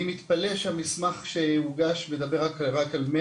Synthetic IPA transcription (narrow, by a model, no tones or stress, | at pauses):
imit̪paleʃamismaχʃeuɡaʃmed̪abeʁaklʁakalme